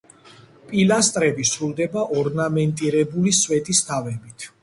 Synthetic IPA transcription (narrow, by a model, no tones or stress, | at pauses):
pʼilast̪ʼɾɛbisɾulˠd̪ɛbaʔɔɾnamɛnt̪ʼiɾɛbuliswɛt̪ʼist̪ʰavɛbit̪ʰ